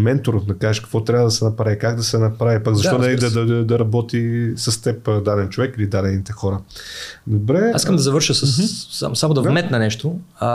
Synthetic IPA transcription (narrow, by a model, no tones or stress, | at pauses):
mɛnt̪oɾofd̪ɐkaɛʃkə̥kvɔt̪ɾʲjavɐd̪ɐsɛnɐpɾavikaɡd̪ɐsɛnɐpɾavipaɡzɐʃt̪ɔɛlid̪ɐd̪ɐd̪ɐɾɐbɔt̪isɐst̪ɛpd̪ad̪ɛnt͡ʃovɛkilid̪ad̪ɛnit̪ɛxɔɾə | d̪obɾɛiskəmd̪ɐzɐvɤɾʃəsəsa̰samod̪ɐvmɛt̪nɐnɛʃt̪o